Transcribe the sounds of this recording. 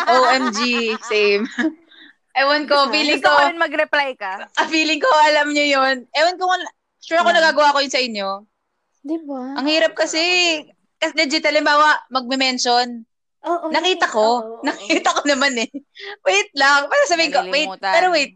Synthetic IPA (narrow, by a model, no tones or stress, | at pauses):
ʔowʔɛmd͡ʒisɛm | ʔɛwɐnkofiːlɪŋkoɪnmɐɡɾɛplajkɐɐfiːlɪŋkoʔɐlɐmɲojonʔɛwɐnko | ʃuːɾɐkonɐɡaːɡɐwaːkojʊnsɐʔɪɲːo̞ | d̪ibaʔɐŋhiːɾɐp̚kɐsɛ | kɐslɛd͡ʒɪt̪ɐlɪmbaːwɐʔmɐɡ̚mɛmɛnʃon | oːɐkiːt̪ɐkonɐkkiːt̪ɐkonɐmanɛwɛjt̪̚lɐŋpaɾɐsɐbiːhɪŋkowejt̚pɛɾowɛjt̪̚